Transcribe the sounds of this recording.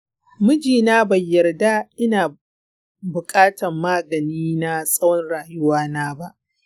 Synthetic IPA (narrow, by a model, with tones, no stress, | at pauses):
mʊ˦d͡ʒiː˨naː˦bɐ˨jːɐ˨rda˦ʔɪ˦naː˨ | bʊ˨kʼaː˦tʰɐ˨mːaː˦ɡɐ˨niː˦na˦sʼɐ˦wɔ˦nɽaː˨jʊ˦waː˦naː˦ba˦ʔ